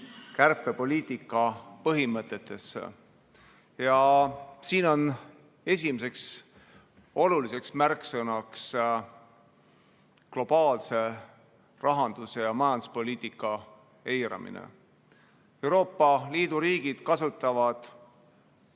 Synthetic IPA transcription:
kærpːˑe̞po̞lʲiːt̪ˑikːˑɑpɤɦimɤt̪ːˑe̞t̪ːˑe̞s | jɑsiːno̞n | e̞sʲimes̬e̞ks | o̞lulise̞ksmærksɤnɑks | klo̞b̥ɑːlse̞ | rɑɦɑnd̪̥use̞jɑmɑjɑnd̪̥u̥spo̞lʲiːt̪ikːˑɑ | e̞jɾɑ̰mḭnḛ | e̞wɾo̞ːpːˑɑliːd̪̥uɾiːɡ̥id̪̥kɑsut̪ːˑɑvɑd̪̥

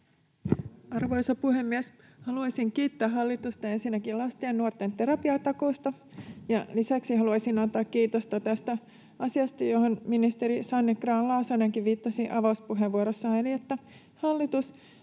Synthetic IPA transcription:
ɑrʋo̞jsɑpuhemːiɛs | hɑluɑjsiŋkiːt̪ːøæːɦɑlːit̪ust̪ɑensinːækilɑst̪ieːnnuort̪ent̪e̞ɾɑpiɑt̪ɑko̞ːst̪ɑ | jɑlisæksiɦɑluɑjsinɑnt̪ːɑːkkiːt̪ost̪ɑt̪æst̪æ | ɑsiɑst̪ɑjo̞ho̞nminist̪e̞ɾisɑnːeɡ̥rɑːnlɑːsoneŋkiʋʋiːt̪ːɑsiʔɑʋɑuspuɦeʋuoɾosːɑeliet̪ːæ | hɑlːit̪us

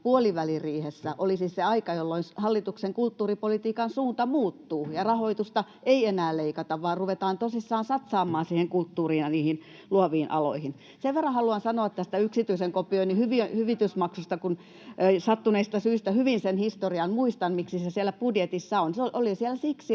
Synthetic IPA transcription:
puoliʋæliriːhesːæʔolisiːsseɑikɑjolːoinshɑlːit̪ukseŋkult̪ːuːripolit̪iːkɑnsuːnt̪ɑmuːt̪ːuːjɑrɑhoit̪ust̪ɑ | ʔeienæːleikɑt̪ɑʋʋɑːrruʋet̪ɑːnt̪osisːɑːnsɑt̪sɑːmːˑɑːnsiːheŋkult̪ːuːriːnɑniːhin | luoʋiːnʔɑ̰lo̰ihin | seʋʋerːɑ̃hɑluɑnsɑnoɑt̪t̪æst̪æyksit̪yiseŋkopˑioinihyʋiøhyʋit̪ysmɑksust̪ɑkunː | sɑt̪ːuneist̪ɑsyist̪æhyʋinsenhist̪oriɑnmuist̪ɑnmiksisesielːæpudjet̪isːɑonsoʔolisielæsiksi

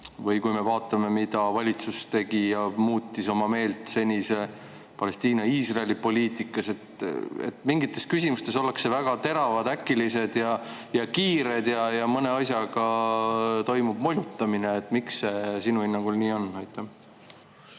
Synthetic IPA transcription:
vɤjkujme̞vɑːt̪ːˑɑme̞mid̪̥ɑvɑlʲit̪sust̪e̞ɡ̥ijɑmuːt̪ːiso̞mɑme̞ːlt̪ˑse̞nʲise̞ | pɑle̞st̪iːnɑiːsrɑelipo̞lʲiːt̪ikːˑɑse̞t̪ḛt̪miŋɡit̪ːˑe̞skysimust̪e̞so̞leksevæɡ̥ɑt̪e̞ɾɑvɑd̪̥ækːˑilise̞d̪̥jɑ | jɑkiːɾe̞d̪̥jɑjɑmɤne̞ɑsjɑɡ̥ɑ | t̪o̞jmub̥mo̞lʲjut̪ːˑɑmineːt̪ːˑmiksːe̞sinuhinːɑŋɡ̥ulniːo̞nːɑjt̪ːˑæ

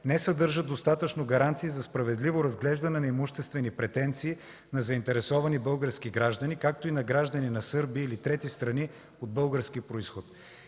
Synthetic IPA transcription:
nɛsɐd̪ɤɾʒəd̪ost̪at̪ət͡ʃnoɡɐɾant̪siːzɐspɾɐvɛd̪livoɾɐzɡlɛʒd̪ɐnɛnɐɛmʊʃt̪ɛst̪vɛnipɾɛt̪ɛnt̪siː | nɐzɐint̪ɛɾɛsɔvɐnibɤlˠɡəɾsk̟iɡɾaʒd̪ɐnʲikak̚t̪oinɐɡɾaʒd̪əninɐsɤɾbiːlit̪ɾɛt̪ist̪ɾɐni | od̪̚bɤlˠɡəɾsk̟ipɾoisxot̪

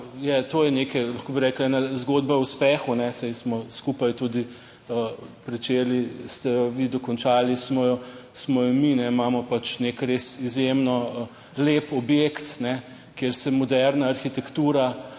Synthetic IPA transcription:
jat̪oːjɛnekɛlɐxkoːbiɾɛːklɛːnazɡoːd̪̚bauspɛːxunɛsɛjsmɔskuːpajt̪uːd̪i | əpɾɛt͡ʃeːlist̪ɛjɔʋid̪ɔkɔnt͡ʃaːlismɔjɔsmɔjɔminɛimaːmɔpat͡ʃnekɾesizjemnɔ | leːpɔbjekt̪nɛ | keːɾsɛmɔd̪ɛɾnaːɾxit̪ɛkt̪uːɾa

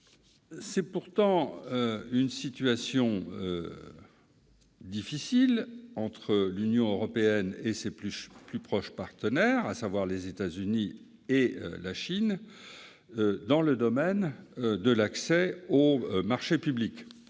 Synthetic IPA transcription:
sɛpuʁt̪ɑ̃øynsit̪yasjɔ̃ø | d̪ifisilɑ̃t̪χəlynjɔ̃øʁɔpeɛnesepyplypχɔʃpaʁt̪ənɛʁasavwaʁlezet̪azyni | eø̰laʃin | d̪ɑ̃ləd̪ɔmɛnd̪əlaksɛomaʁʃepyblik

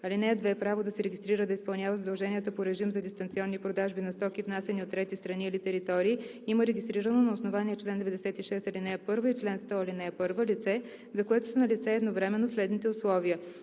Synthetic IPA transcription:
ɐlinɛəd̪vɛpɾavod̪ɐsɛɾɛɡʲist̪ɾiɾəd̪ɐispɐlˠnʲavəzəd̪ɐlˠʒɛniət̪əpoɾɛʒimzɐd̪ist̪ɐnt̪siɔnːipɾod̪aʒbinɐst̪ɔkivnasɛniot̪ːɾɛt̪ist̪ɾɐniːlit̪ɛɾit̪ɔɾiːiməɾɛɡʲist̪ɾiɾənonɐʊsnovaniɛt͡ʃlɛnd̪ɛvɛd̪ɛsɛt̪iʃɛst̪ɐlinɛɛpɤɾvəit͡ʃlɛnst̪ɔɐlinɛɛpɤɾvəlit̪sɛ | zɐkoɛt̪o̥sənɐlit̪sɛɛːd̪novɾɛmɛnːoslɛd̪nit̪ɛʊslˠɔvijə

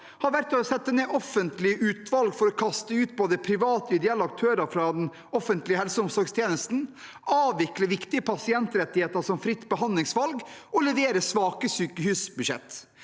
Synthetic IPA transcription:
hɑɾʋæɾt̪ɔsɛt̪ːəneːʔɔfənt̪lɪəʔʉːt̪ʋɑlɡfɔɾɔkʰɑst̪əʉːt̪boːd̪əpʰɾɪʋɑːt̪əɪd̪ɛɛlːɑk̚t̪ʰøːɾəfɾɑd̪ɛn | ɔfənt̪lɪəhɛlsəʊmsɔɾɡst̪ʰjeːnəst̪n̩ | ɑːʋʋɪkləʋɪkt̪ɪəpʰɑsɪɛnt̪ɾɛt̪ːɪheːt̪əɾʂɔmfɾɪt̪ːbəhɑnd̪lɪŋsʋɑlɡɔlɛʋeːɾəsʋɑːkəsyːkəhyːsbʉʂɛ̰t̪ː

